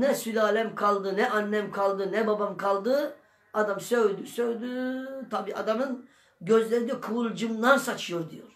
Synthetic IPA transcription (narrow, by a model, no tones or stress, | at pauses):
nɛsylʲaːlʲæmkʰalˠd̪ɯnɛʔanːɛmkʰalˠd̪ɯnɛbabamkʰalˠd̪ɯ | ad̪amsø̞jd̪ysøjd̪yt̪ʰabiːa̰d̪amɯn | ɟøzlʲeɾd̪ɛkʰulˠd͡ʒɯmd̪ansat͡ʃʰɯjo̞ɾd̪ḭjo̞ɾ̥